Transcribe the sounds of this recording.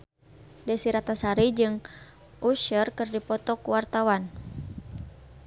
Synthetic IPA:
dəsiɾat̪asaɾid͡ʒɨŋ | ʔuʃərkɨrdipɔt̪ɔkuwart̪awan

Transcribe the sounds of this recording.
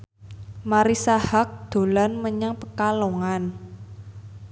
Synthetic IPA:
maɾisahak̚d̪̥o̤lanməɲaŋpəkaloŋan

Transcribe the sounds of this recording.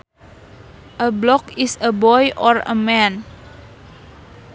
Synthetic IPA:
ʔəblɔkɪsəbɔjʔɔrə̰mɛ̃n

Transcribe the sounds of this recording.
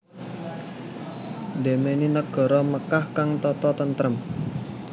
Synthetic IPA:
demeninəɡ̥ɔ̤ɾɔməkahkaŋt̪ɔt̪ɔt̪ənt̪ɾəm

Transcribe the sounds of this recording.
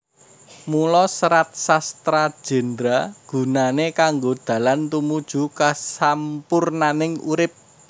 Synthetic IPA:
mulɔsəɾat̪̚sast̪ɾad̥ʒ̥ɛ̤nd̪ɾaɡ̥ṳnanekaŋɡod̪̥ä̤lant̪umud̥ʒ̥ṳkasampʊrnanɪŋṵɾɪp̚

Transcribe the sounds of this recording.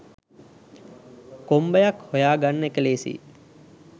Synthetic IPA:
kombəjakhojaːɡanːəekəleːsḭː

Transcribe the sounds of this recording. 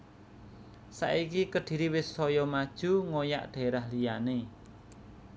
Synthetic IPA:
sa̰ʔikikəɖ̥i̤ɾiwɪsɔjɔmad̥ʒ̥ṳŋoja̰ʔɖ̥e̤ɾahlijane

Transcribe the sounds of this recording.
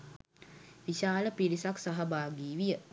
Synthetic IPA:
ʋiʃaːləpilisaksaɦəbaːɡiːʋijə

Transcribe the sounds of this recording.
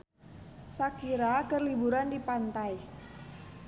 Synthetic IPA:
sakiɾakərlibuɾandipant̪aj

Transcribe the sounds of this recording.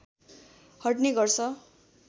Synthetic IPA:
hʌʈneɡʌrsʰʌ

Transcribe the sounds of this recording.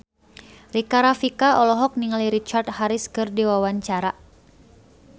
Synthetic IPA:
rikaɾafikaɔlɔɦɔk̚niŋaliɾit͡ʃart̪haɾɪskɨrdiwawaɲt͡ʃaɾa

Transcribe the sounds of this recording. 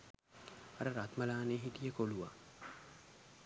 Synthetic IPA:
aɾəɾat̪məlaːneːɦit̪ijəkoluʋa̰

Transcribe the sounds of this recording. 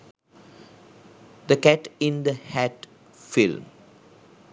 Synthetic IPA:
d̪əkæʈĩnd̪əhæʈ | film

